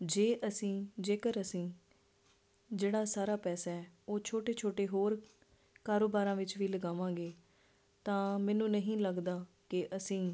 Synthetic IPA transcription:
d͡ʒeːʔəsĩːd͡ʒeːkəɾəsĩː | d͡ʒeːɽaːsaːɾaːpɛːsaːɛːoːt͡ʃʰoːʈeːt͡ʃʰoːʈeːɦoːɾ | kaːɾoːbaːɾãːʋɪt͡ʃʋiːləɡaːʋãːɡeː | t̪ãːmɛ̃ːnũːnəɦĩːləɡd̪aː | kɪʔəsĩː

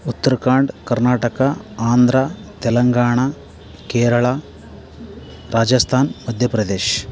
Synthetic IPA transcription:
ut̪ːɐɾkaːɳɖkɐɾnaːʈɐkaaːnd̪ɾat̪ɛlɐŋɡaːɳa | keːɾɐɭaː | ɾaːd͡ʒɐst̪ʰaːnmɐd̪ʱjɐpɾɐd̪eːʃ

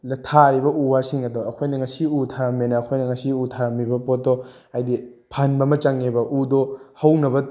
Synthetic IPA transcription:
lɐtʰaɾibɐʔuwasiŋɐdoɐkʰojnɐŋɐsiutʰaɾɐmːenɐːkʰojnɐŋɐsiutʰaɾɐmibɐpot̚ːo | ajdipʰanbɐmɐt͡ʃaŋebɐʔudohɐwnɐbɐ

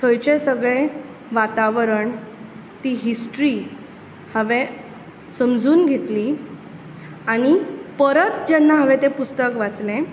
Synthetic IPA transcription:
t̪ʰəjt͡ɕesəɡɭe | ʋat̪aʋəɾəɳ | t̪iɦisʈɾi | həʋe | səmd͡zuːnɡʱet̪liː | aɽ̃ipəɾət̪d͡ʑɛnːaɦəʋet̪ẽpust̪əkʋat͡slẽ

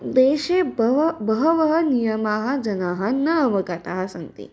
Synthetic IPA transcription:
d̪eːʃebʋbɐɦɐʋɐɦɐnijɐmaːɦɐ̆d͡ʒɐnaːɦɐnɐːʋɐkat̪aːɦɐsɐnt̪ḭ

